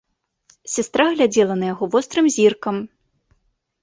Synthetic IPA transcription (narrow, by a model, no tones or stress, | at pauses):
sʲast̪ɾaɣlʲad͡zʲɛlˠɐnɐjaɣɔvɔst̪ɾɨmzʲirkɐm